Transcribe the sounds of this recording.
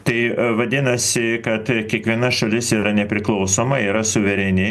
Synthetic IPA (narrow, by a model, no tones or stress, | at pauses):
t̪ɐɪʋɐd̪ʲɪnɐsʲɪkɐt̪kʲiɛkʋʲiɛnɐʃɐlʲɪsiːɾɐnʲɛpʲɾʲɪklˠɐʊsoːmɐiːɾɐsʊʋʲɛɾʲɛnʲɪ